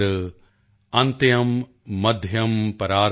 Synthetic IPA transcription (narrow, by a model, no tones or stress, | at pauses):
ɐ̃nt̪jɐmː | ɐd̪ʱjɐmpɐɾaːɾ